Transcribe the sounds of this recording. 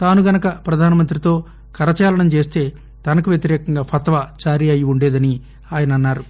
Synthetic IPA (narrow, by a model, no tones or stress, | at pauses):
t̪aːnuɡɐnɐkɐpɾɐd̪ʱaːnɐmɐnt̪ɾit̪o̞ː | kɐɾɐt͡ʃaːlɐɳɐmt͡ʃe̞ːst̪e̞ː | t̪ɐnɐkuʋjɐt̪̬iɾɛːkɐŋɡaːpʰɐt̪ʋaːt͡ʃaːɾiɐjiuɳɖeːd̪ɐni | aːjɐnɐɐnːaːɾu